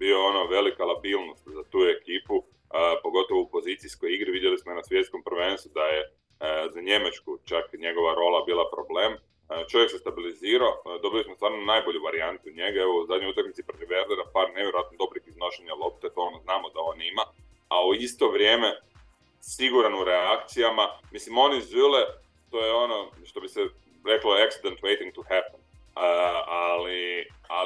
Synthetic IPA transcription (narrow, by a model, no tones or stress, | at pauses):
bioonoʋe̞likalˠabilˠno̞st̪zat̪uːe̞kiːpu | po̞ɡo̞t̪o̞ʋoupo̞zit̪siskojiɡɾiʋid̪jelismoinasʋje̞t̪sko̞mpɾʋe̞nst̪ud̪aje | zaɲe̞mat͡ʃkut͡ʃakɲe̞ɡo̞ʋaɾo̞lˠabiːlˠapɾo̞ble̞ːm | t͡ʃo̞ʋjeksest̪abiliziːɾaod̪o̞bijosmost̪ʋaːɾnonajbo̞ʎuʋaɾiant̪uɲe̞ɡaeozad̪ɲojut̪akmit̪sipɾot̪iʋeɾd̪eɾapaːɾneʋjeɾoat̪nod̪o̞bɾixizno̞ʃeɲalˠo̞p̚t̪et̪o̞onoznaːmod̪ao̞nima | auist̪o̞ʋɾje̞ːme̞ | siɡuɾanuɾeakt̪sijamamislimo̞nizyle | t̪ojeono̞ʃt̪o̞bise | ɾe̞klo̞eksid̪ent̪ʋejt̪iŋɡt̪uhɛpen | ali | a